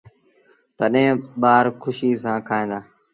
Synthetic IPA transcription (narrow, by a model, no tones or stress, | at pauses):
t̪əɗɦẽɓaːɾkʰʊʃiːsãːkʰaːĩːnd̪aː